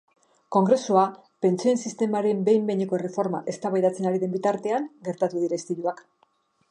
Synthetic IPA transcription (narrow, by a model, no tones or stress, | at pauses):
ko̞ŋɡɾe̞sua | pe̞nt͡sie̞nsist̪e̞maɾe̞mbe̞jmbe̞ɲeko̞ere̞fo̞ɾma̰ʔe̞st̪aβajðat͡se̞naɾiðe̞mbit̪aɾt̪e̞aŋɡe̞ɾt̪at̪uðiɾast̪iɾuak